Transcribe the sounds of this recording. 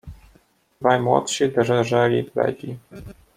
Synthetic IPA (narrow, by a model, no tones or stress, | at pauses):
d̪vajmwɔ̰t̪ʂid̪ɛʐɛʐɛlʲiplɛ̰d͡ʑi